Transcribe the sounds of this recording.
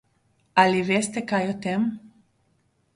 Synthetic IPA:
alivest̪ekajot̪em

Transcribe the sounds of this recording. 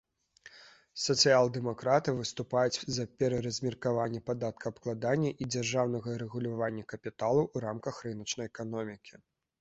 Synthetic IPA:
sɐt̪sɨjalˠd̪ɛmakɾat̪ɨvɨst̪upajut͡sʲzɐpʲɛɾɐɾɐzʲmʲirkavanʲːɛpad̪at̪̚kɐɐpklˠad̪anʲːɐʔid͡zʲarʐawnɐɣɐɾɛɣulʲavanʲːɐkɐpʲit̪alˠuːɾamkɐxrɨnɐt͡ʂnɐjɛkanɔmʲikʲi

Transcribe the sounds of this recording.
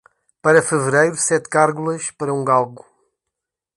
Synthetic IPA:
pɐɾɐfɨvɨɾejɾusɛt̪kaɾɣulˠɐʃpɐɾɐũɡalˠɣu

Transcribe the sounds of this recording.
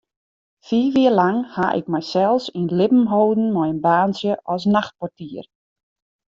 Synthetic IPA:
fiːʋiərlaŋha̰ʔɪ̰k̚mɛjsɛlˠsinlɪpm̩ɦoːdn̩mɔjənbaːnsjəʔɔs̬naxt̚pɔtiːər

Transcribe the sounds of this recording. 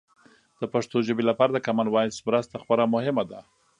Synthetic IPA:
d̪̥əpaʂt̪oʒəbelapaɾad̪əkamanwɑjsmɾəst̪axpəɾamʊhɪmad̪a

